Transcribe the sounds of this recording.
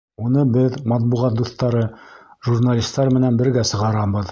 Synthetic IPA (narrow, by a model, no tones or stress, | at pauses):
unɤbɘðmɑt̪̚buʁɑt̪̚d̪uθt̪ːɑɾɤʒurnalʲist̪ɑɾmɘ̆nænbɘ̆ɾɡæsɤ̆ʁɑɾɑbɤ̆ð